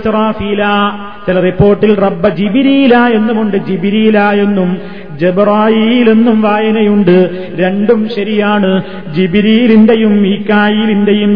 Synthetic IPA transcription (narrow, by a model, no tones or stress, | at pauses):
sɾaːfiːlaː | t͡ɕilɐripːo̞ːrʈːilrɐbːɐd͡ʑibɾiːjlaːje̞nːumoɳɖɨd͡ʑibɾiːlaːje̞nːum | d͡ʑebraːjiːle̞nːumʋaːjɐnɐjuɳɖɨ | ɾe̞ɳɖumɕɐɾijaːɳɨ | d͡ʑibɾiːlinde̞jumiːkːaːjiːlindejum